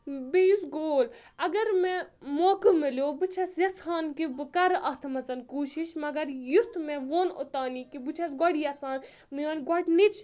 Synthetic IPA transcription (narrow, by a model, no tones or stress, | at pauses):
bijusɡoːl | ɐɡɐɾmẽmoːkɨmiljoːbɨt͡ʃʰɐsjɐt͡sʰaːnkibɨkɐɾɐt̪ʰmɐt͡sɐnkuːʃiʃmɐɡɐɾjut̪mẽʋoːno̰t̪aːnikibɨt͡ʃʰɐsɡɐɽijɐt͡saːn | miɐːnɡɔʈnit͡ʃʰ